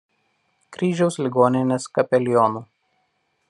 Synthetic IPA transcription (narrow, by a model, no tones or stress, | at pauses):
kɾʲiːʒʲɛʊslʲɪɡoːnʲɪnʲeːskɐpʲɛlʲɪjɔːnuː